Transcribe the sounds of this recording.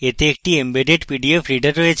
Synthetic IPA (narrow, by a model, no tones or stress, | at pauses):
et̪eek̚ʈiembeɖeʈpiɖiefʰɾiɖəɾːɔet͡ɕʰ